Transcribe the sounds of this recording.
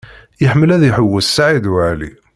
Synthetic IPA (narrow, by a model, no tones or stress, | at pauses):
jəħmːəlæðiħəwːəsːaʕid̪wʕlḭ